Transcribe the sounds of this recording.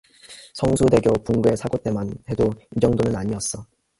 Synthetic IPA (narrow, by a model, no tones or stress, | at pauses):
sʰʌŋsʰude̞ɡjopuŋɡue̞sʰaɡot͈e̞mane̞doid͡ʑʌŋdonɯnaɲiʌs͈ʌ